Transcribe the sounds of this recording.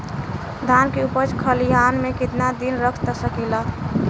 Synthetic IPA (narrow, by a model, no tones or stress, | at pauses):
d̪ʱankeupəd͡ʒkʰəliɦanmekit̪nad̪inɾəkʰt̪əsəkilə